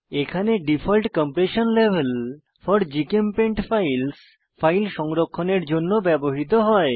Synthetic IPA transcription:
ekʰaneɖifʰɔlʈkɔmpɾeʃonlebʱel | fɔɾd͡ʑikempeɳʈfajls | fajlʃɔŋɾokʰːoneɾd͡ʑonːobɛboɦit̪oɦɔe

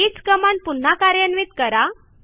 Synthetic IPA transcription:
iːt͡skəmaɳpun̤akaɾjənʋiːt̪kəɾa

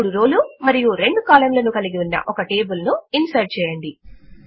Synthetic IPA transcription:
ɽuɾoːlumɐɾijuɾe̞ɳɖukaːlɐmlɐnukɐliɡiunːɐ̰ʔɔkɐʈe̞ːbulnuinsɐɾ̚t͡ʃɛːjɐɳɖi

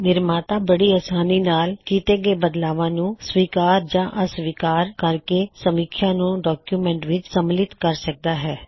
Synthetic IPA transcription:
nɪɾmaːt̪aːbəɽiːəsaːniːnaːlkiːt̪eːɡeːbəd̪laːʋãːnũːsʋiːkaːɾd͡ʒãːʔəsʋiːkaːɾkəɾkesəmiːkʰjãːnũːɖɔːkjuːmɛ̃ːɳʈʋɪt͡ʃsəmlɪt̪kəɾsək̚d̪aːɦɛː

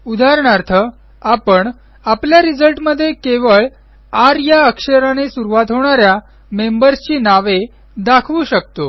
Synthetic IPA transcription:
ud̪ʱaɾɳaɾt̪ʰə | apəɳ | apljaɾid͡zəlʈməd̪ʱːjekeʋəɭ | aɾjaəkʂəɾanesuɾuʋat̪ɦoɳ̃aɾja | membəɾst͡ɕiːnaʋe | d̪akʰʋuɕəkt̪o

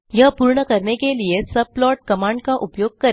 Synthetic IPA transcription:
jɐɦpuːɾɳəkɐɾnekeliesɐb̚plɔːʈ̚kɐmãːɳɖkaʔʊpjoːɡ̚kɐɾ

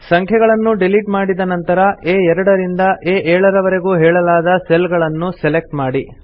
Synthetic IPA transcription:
sɐŋkʰjɛɡɐɭɐnːuɖiliʈmaːɽid̪ɐnɐnt̪ɐɾɐeːɛɾɐɽɐɾind̪ɐʔeːʔɛːɭɐɾɐʋɐɾe̞ɡuːɦɛːɭɐlaːd̪ɐselɡɐɭɐnːusɛlek̚ʈmaːɽi

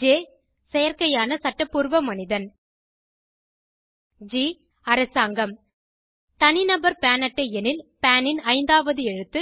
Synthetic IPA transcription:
d͡ʒeː | sɛjɐɾkɐjaːnɐsɐʈːɐpːuɾʋɐmɐnɪðɐn | d͡ʒiː | ɐɾɐsaːŋɡɐm | t̪ɐnɪnɐbɐɾpaːnɐʈːɐɛnɪlpaːnɪnɐɪnd̪aːʋɐðɯɛɻɯt̪ːɯ

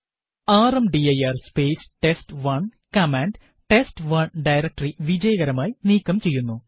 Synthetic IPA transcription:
aːrɐmɖiɐjɐrspeːsʈesʈʋɐɳkɐmaːɳɖ | ʈesʈʋɐɳɖɐjɾɐk̚ʈɐriʋid͡ʑɐjɐɣɐɾɐmaːjiniːkːɐmt͡ɕe̞jːunːu

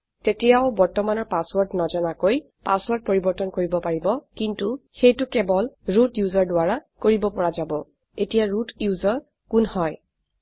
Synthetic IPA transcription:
tetɛjaʊbɔɹtɔmanɔɹpaswɔɹtnɔzɔnakoj | paswɔɹt̚poɹibɔɹtɔnkoɹibɔpaɹibɔkintuxejtʊkɛbɔlɹutjuzɔɹdʊaɹakoɹibɔpɔɹazabɔ | etijaɹutjuzɔɹ | kunhɔj

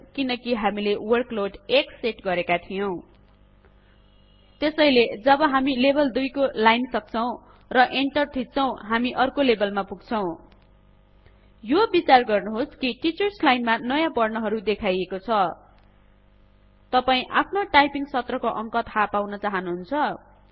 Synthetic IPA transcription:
kinʌkiɦamilewʌrkloʈekseʈɡʌɾekat̪ʰijow̃ | t̪esʌjled͡zʌbʌɦamilebʌld̪ujkolajnsʌk̚t͡sʰʌw̃ | rʌʔeɳʈʌrt̪ʰit̪̚t͡sʰʌw̃ɦamiʔʌrkolebʌlmapuɡt͡sʰʌw̃ | jobit͡sarɡʌrnoɦoskiʈit͡sʌrslajnmanʌjãpʌrnʌɦʌɾud̪ekʰajekot͡sʰʌ | t̪ʌpaĩʔapʰnoʈajpiŋsʌt̪rʌkoʔʌŋkʌt̪ʰhapawnʌt͡saɦʌnuɦunt͡sʰʌ

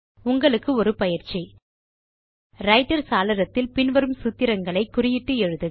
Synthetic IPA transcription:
ʊŋɡɐɭɯkːɯɔɾɯpɐjɪɾt͡ʃːi | ɾɐɪʈːɐɾsaːlɐɾɐt̪ːɪlpɪnʋɐɾɯmsʊt̪ːɪɾɐŋɡɐɭɐɪkːʊrɪjɪʈːɯɛɻɯðɯ

